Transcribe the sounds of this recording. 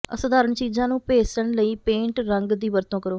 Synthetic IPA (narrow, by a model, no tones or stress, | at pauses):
əsʊd̪aːɾəɳt͡ʃiːzãːnũːpeːt͡ʃəɳləiːpẽːɳʈɾəŋɡd̪iːʋəɾt̪õːkəɾoː